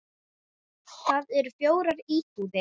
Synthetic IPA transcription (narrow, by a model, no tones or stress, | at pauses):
θaːðɛɾ̥fjoːwɾaɾiːt̪uðɪ